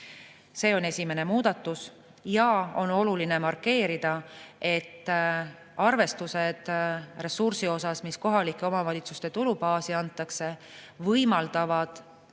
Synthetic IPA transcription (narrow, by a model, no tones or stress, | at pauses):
se̞ːo̞ne̞sʲime̞ne̞muːd̪̥ɑt̪ːˑus | jɑo̞no̞luline̞mɑrkːe̞ːɾid̪̥ɑe̞t̪ː | ɑrve̞st̪use̞d̪̥re̞sursio̞sɑsmisko̞ɦɑlikːˑeo̞mɑvɑlʲit̪sust̪e̞t̪ulupɑːsiɑnt̪ːˑɑkse̞ | vɤjmɑld̪̥ɑvɑd̪̥